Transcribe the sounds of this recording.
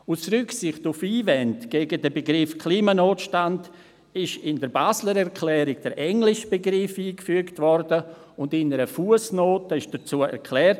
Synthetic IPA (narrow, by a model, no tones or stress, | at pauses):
usrʏksɪχtufiːvɛntɡ̥ɛːɡədəbeɡɾɪfkʰliːmanoːtʃtand | ɪʃɪndəɾbaːsləɾɛɾkʰlɛːɾɪɡ̥̚d̥əɾʔɛŋlɪʃb̥eɡɾɪfiːkfyəktvɔɾdə | ʊndɪnəɾəfuəsnoːtəɪʃd̥ɐt͡suːəɛ̰ɾkʰlɛːrt